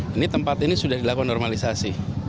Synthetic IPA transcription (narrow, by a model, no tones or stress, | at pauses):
init̪əmpat̪inisudahdilakunɔrmalisasi